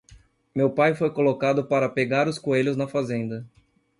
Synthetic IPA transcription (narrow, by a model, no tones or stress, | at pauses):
mewpajfojkolokad̪ʊpaɾɐpeɡaɾʊskoeʎʊznɐfazẽnd̪ɐ